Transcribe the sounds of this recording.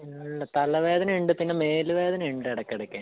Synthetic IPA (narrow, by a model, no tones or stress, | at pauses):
ɐɭːɐt̪ɐlɐʋe̞ːd̪ɐnɐiɳɖɨpinːe̞me̞ːluʋe̞ːd̪ɐnɐmiɳɖɨɐɽɐkːɐɽɐkʲːaː